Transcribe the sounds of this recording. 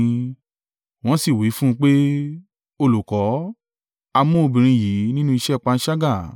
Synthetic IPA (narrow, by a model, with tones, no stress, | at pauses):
w̃ɔ̃˦si˦˨wi˨˦fũ˦ũ˧k͡pe˦ | o˧lu˨kɔ˨˦ | a˧mũ˦o˧bĩ˨ɾ̃ĩ˧jiː˨˦nĩ˦nũ˦i˧ʃɛ˦˨k͡pa˧n̩˦ʃa˦ɡa˦˨